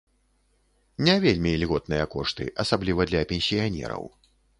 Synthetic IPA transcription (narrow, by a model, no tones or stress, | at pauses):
nʲɛvʲelʲmʲilʲɣɔt̪̚nɨjɐkɔʂt̪ɨ̰ʔɐsablʲivɐd̪lʲɐpʲɛnʲsʲijanʲɛ̰ɾɐ̰w